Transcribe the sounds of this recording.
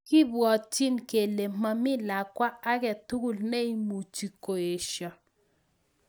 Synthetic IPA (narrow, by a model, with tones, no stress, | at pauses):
kɪ˦bwɔ˨t͡ʃi˦nke˨le˨ma˦mɪ˦la˨kwa˦a˦kɛ˨tu˦ɡu˦˨lne˦i˦mu˨t͡ʃi˨ko˨e˨ʃɔ˨